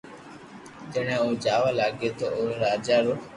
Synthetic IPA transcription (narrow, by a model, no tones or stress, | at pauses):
t̪əɳ̃ẽːuːd͡ʒaːʋaːlaːɡeːt̪oːoːeɾaːd͡ʒaːɾoː